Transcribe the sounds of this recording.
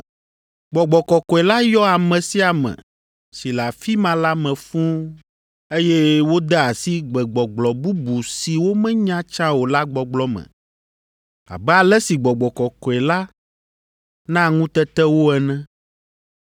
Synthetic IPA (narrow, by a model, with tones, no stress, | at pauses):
ɡ͡bɔ˨ɡ͡bɔ˨kɔ˨kɔ˨ɛ˨la˦jɔ˦a˨mɛ̃˨si˦a˨mɛ̰̃˨ | si˨la˨fi˦mã˦la˦mɛ̃˨fũ˦ | e˦jɛ˦wo˦d̪ɛ˦a˨si˦ɡ͡bɛ˨ɡ͡bɔ˨ɡ͡blɔ˨bu˦bu˨si˨wo˦mɛ̃˦ɲã˦t͡ʃã˦wo˨la˦ɡ͡bɔ˨ɡ͡blɔ˦mɛ̰̃˨ | a̰˨bɛ˦a˨lɛ˦si˨ɡ͡bɔ˨ɡ͡bɔ˨kɔ˨kɔ˨ɛ˨la˦ | nã˦ŋũ˦t̪ɛ˦t̪ɛ˦wo˦ɛ˨nɛ̃˦